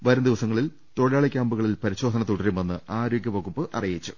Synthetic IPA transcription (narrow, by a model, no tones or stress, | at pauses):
ʋɐɾɐmd̪iʋɐsɐŋːɐɭil | t̪oɻijaːɭɐkʲːaːmbuɣɐɭilpɐɾiɕo̞ːd̪ʱɐnɐt̪uɽɐɾume̞nːɨʔaːɾo̞ːɡʲjɐpoːɣupːɨʔɐ̰rijit͡ɕːu